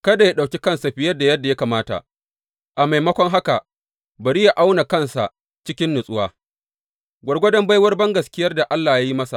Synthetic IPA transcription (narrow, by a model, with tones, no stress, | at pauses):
kɐ˦da˨ja˦ɗa˨wkʲi˦kɐ˦nsa˨ɸɪ˦jɐ˦dːa˨jɐ˦dːa˨ja˦kaː˨maː˦ta̰˨ʔ | ʔa˨ma˨jmɐ˦kʷɔ˦ŋɦa˦ka˨ʔ | bɐ˨ɾi˦ja˨ʔa˦wna˨kɐ˦˨nsa̰˨ʔ | t͡ʃɪ˦kʲɪ˦nːʊ˨sʼʊ˦waː˦ | ɡʷɐ˨rɡʷɐ˦dɐ˦mba˦jwɐ˦rbɐ˦ŋɡɐ˨skʲɪ˦jɐ˦rda˨ʔa˦lːaː˨ja˦ji˦mɐ˦sa̰˨ʔ